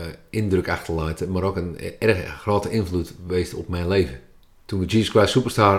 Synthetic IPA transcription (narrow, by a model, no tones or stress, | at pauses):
ɪndrøkaxtəlajtəmaɾokənɛrəxəxroːtəʔɪnflutʋeːstɔ̰pmɛjnleːvə | tunəd͡ʒiːsəskwaːsupərstaː